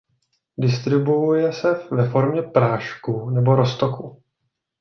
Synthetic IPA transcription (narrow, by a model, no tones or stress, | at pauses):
dɪst̪ɾɪbuujɛsɛvɛfo̞ɾmɲɛpɾaːʃkunɛbo̞ɾost̪oku